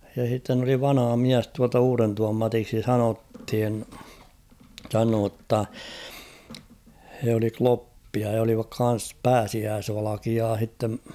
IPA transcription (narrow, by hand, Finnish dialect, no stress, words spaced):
jɑ h̞itːen oli ʋɑnɑ̆hɑ miæs tuɑltɑ uːrentuʋɑm mɑtiksi sɑnothin sɑnoː tːɑ he oli klopːiɑ jɑ oliʋɑk kɑn̞s pæːsiæːsʋɑlɑkiɑː h̞itːem